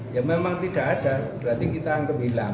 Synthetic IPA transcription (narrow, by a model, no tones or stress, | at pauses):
jaŋmemaŋt̪iɖ̥a̤ʔaɖ̥ab̥əɾant̪ikit̪aankəbila